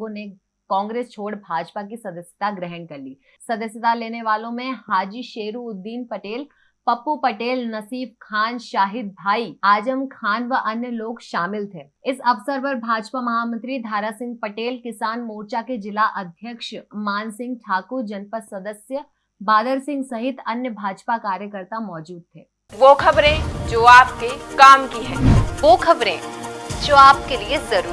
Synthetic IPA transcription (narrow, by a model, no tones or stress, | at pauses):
õne | kɔ̃ːŋɡɾeːst͡ʃʰoːɽbʱaːd͡ʒpakisɐd̪əsjət̪aɡɾɛɦə̃nkɐɾliː | sɐd̪əsjət̪aleːneʋaːlõmẽhaːd͡ʒiːʃeːɾuʊd̪ːiːnpɐʈeːl | pɐpupɐʈeːlnɐsiːb̚kʰaːnʃaːɦɪd̪̚bʱaːiaːd͡ʒəmkʰaːnʋəʔɐnjəloːɡʃaːmɪlt̪ʰeːɪsɐʋsəɾpɐɾbʱaːd͡ʒpamɐɦaːmə̃nt̪ɾid̪ʱaːɾasɪ̃ŋɡ̚pɐʈeːlkɪsaːnmoːɾt͡ʃaked͡ʒɪlaʔɐd̪ʱjəkʃmaːnsɪ̃ŋɡ̚ʈʰaːkuɾd͡ʒɐnpəsɐd̪əsjə | baːd̪əɾsɪ̃ŋɡsɐɦɪt̪ɐnjəbʱaːd͡ʒpakaːɾjəkəɾt̪amɔːd͡ʒuːd̪̚t̪ʰeː | ʋoːkɐbɾẽd͡ʒoːaːpkekaːmkiɦɛ̃ːʋoːxʰɐbɾẽd͡ʒoːaːpkeliezɐɾuː